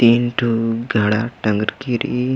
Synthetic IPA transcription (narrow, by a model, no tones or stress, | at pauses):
inʈʰuɡʱaɽaʈəŋɡɾkiɾḭ